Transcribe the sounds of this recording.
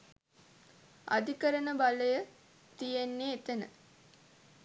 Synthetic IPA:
a̰d̪ikəɾənəbaləjə | t̪ijenːeːt̪ənə̰

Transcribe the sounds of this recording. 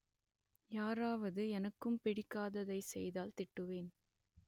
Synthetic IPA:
jaːɾaːʋɐðɯɛnɐkːɯmpɛɽɪkːaːðɐðɐɪsɛjðaːlt̪ɪʈːɯʋeːn

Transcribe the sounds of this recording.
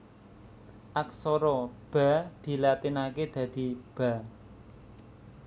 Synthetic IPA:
ʔaksɔɾɔb̥a̤d̪̥i̤lat̪inaked̪̥ä̤d̪̥i̤b̥a̤

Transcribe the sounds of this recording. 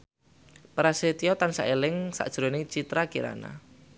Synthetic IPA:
pɾaset̪iɔt̪ansa̰ʔelɪŋsa̰ʔd̥ʒ̥ɾonɪt͡ʃit̪ɾakiɾa̰na̰

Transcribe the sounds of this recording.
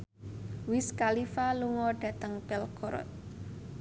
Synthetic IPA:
wɪskalifaluŋɔɖ̥ä̤t̪əŋb̥ɛlkɔɾɔ̰t̪̚

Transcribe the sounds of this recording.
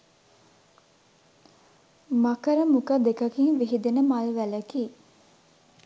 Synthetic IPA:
makəɾəmukəd̪ekɐkiŋʋiɦid̪enəmalʋæləki

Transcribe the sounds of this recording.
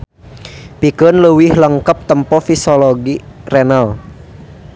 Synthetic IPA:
pikənləwɪhləŋkəp̚t̪əmpɔfisɔlɔɡirɛnal

